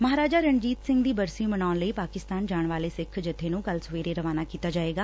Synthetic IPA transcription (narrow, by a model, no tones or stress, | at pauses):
məɦaːɾaːd͡ʒaːɾəɳd͡ʒiːt̪sɪ̃ŋɡd̪iːbəɾsiːmənaːʊnləiːpaːkɪst̪aːnd͡ʒaːɳʋaːleːsɪkʰd͡ʒɪt̪ʰːeːnũːɡəlsʋeːɾeːɾəʋaːnaːkiːt̪aːd͡ʒaːeːɡaː